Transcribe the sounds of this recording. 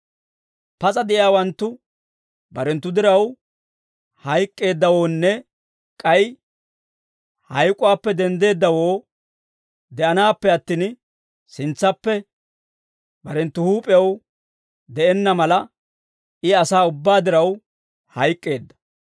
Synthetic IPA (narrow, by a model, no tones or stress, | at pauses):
pɐt͡sʼɐd̪ɛʔɪaːwɐnt̪ːʊ | bɐɾɛnt̪ːʊd̪ɪɾɐw | hɐjkʼːe̞ːd̪ːɐwo̞ːnːɛ | kʼɐj | hɐjkʼʊwaːpːɛd̪ɛnd̪e̞ːd̪ːɐwo̞ː | d̪ɛʔɐnaːpːɛɐt̪ːiːn | sɪnt͡sːɐpːɛ | bɐɾɛnt̪ːʊhuːpʼɪjɐw | d̪ɛʔɛnːɐmɐlɐ | ɪɐsaːʊbːaːd̪ɪɾɐw | hɐjkʼːe̞ːd̪ːɐ̥